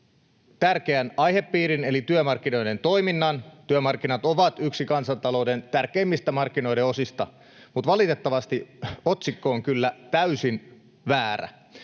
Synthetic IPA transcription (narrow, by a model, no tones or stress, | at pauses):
t̪ærkeænɑjhe̞pːiːɾine̞lit̪yømɑrk̟ːino̞jdent̪o̞iminːɑnt̪yømɑrkːinɑt̪oʋɑt̪yksikɑnsɑnt̪ɑlo̞ude̞nt̪ærkeimːist̪æmɑrkːino̞jdeo̞sist̪ɑ̰ | mut̪ʋɑlit̪et̪ːɑʋɑst̪iot̪sikːoːŋkylːæt̪æysin | ʋæːɾæ̰